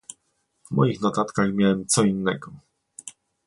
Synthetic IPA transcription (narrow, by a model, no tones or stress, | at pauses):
vmɔ̰jixnɔt̪at̪kaxmʲjawɛmt̪sɔinːɛɡɔ